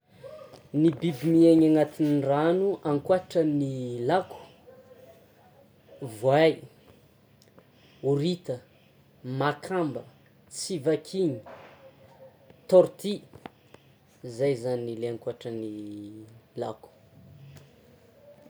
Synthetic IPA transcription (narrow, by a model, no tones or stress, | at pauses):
nibibimieɲaŋat̪inranuʔaŋkwaʈ͡ʂənilakʰu̥ | vwaj | uɾit̪ə | makʰambə | t͡sivakʰiɲi̥ | t̪ɔɾt̪i | zajzaninileaŋkuaʈ͡ʂəni | la̰ku̥